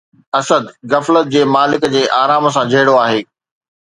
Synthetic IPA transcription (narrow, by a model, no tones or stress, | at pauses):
ɐsəd̪ɣɐflət̪̚d͡ʑeːmaːlɪkd͡ʑeːʔaːɾaːms̬ãd͡ʑʱɐːɪɽoaːɦeː